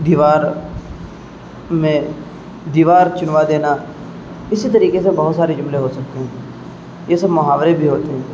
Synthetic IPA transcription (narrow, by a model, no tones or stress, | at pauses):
d̪iːʋaːɾ | mẽ | d̪iːʋaːɾt͡ʃʊnʋad̪eːna | ɪsit̪ɐɾiːkes̬ebɐɦʊt̪saːɾed͡ʒʊmleɦosɐk̚t̪eɦɛ̃ː | jesɐbmʊɦaːʋɾebʱiɦoːt̪eɦɛ̃ː